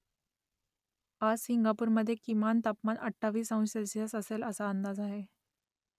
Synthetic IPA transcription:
asiŋɡapuːɾməd̪ʱːjekimant̪apmanəʈʰːaʋiːsə̃w̃səlsijasəseləsaənd̪ad͡zaɦe

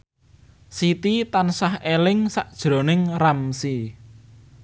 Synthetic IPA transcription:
sit̪it̪ansahelɪŋsaʔd̥ʒ̥ɾo̤nɪŋramsi

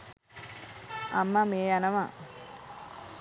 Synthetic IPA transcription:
amːameːanɐʋa

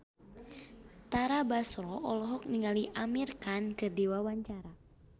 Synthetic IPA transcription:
t̪aɾabasɾɔʔɔlɔɦɔk̚niŋaliʔamirkankɨrdiwawaɲt͡ʃaɾa

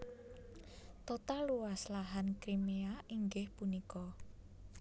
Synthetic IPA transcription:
t̪ot̪aluwaslaɦankɾimeaʔiŋɡɪhpunikɔ

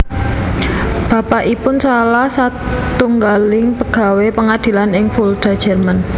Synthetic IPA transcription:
b̥a̤paʔipʊnsalahsat̪uŋɡalɪŋpəɡ̥a̤wepəŋad̪̥i̤lanɪŋfuld̪̥a̤d̥ʒ̥ə̤rman

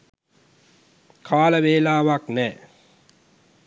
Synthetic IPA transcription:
kʰaːləʋeːlaːʋaknɛː

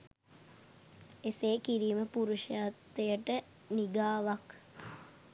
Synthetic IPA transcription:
eseːkiɾiːməpuɾuʃəjat̪ːejəʈə | niɡaːʋak

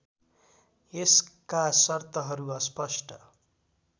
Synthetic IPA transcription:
eskasʌrt̪ʌɦʌɾuʌspʌsʈʰʌ

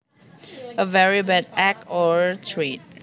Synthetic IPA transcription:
əvɛɹibɛd̚ɛkɔɹtʰɹet̚

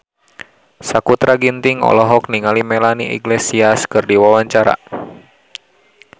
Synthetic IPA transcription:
sakut̪ɾaɡint̪iŋɔ̰lɔɦɔkniŋalimɛlaniʔɛ̰ɡlesiaskɨrdiwawaɲt͡ʃaɾa̰

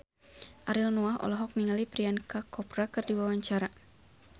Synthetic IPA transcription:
ʔaɾilnuaɦɔ̰lɔɦɔk̚niŋalipɾiankakɔpɾakɨrdiwawaɲt͡ʃaɾa

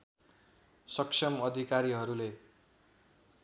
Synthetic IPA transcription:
sʌksʰʌmʌd̪ʱikaɾiɦʌɾule

